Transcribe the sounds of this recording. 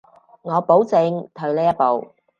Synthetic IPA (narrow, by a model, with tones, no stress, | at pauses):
ŋɔː˨˧po˨˥wt͡sɪ˨˧ŋt̪ʰɵ˨˧ɥleː˥jɐ˥t̚po˨w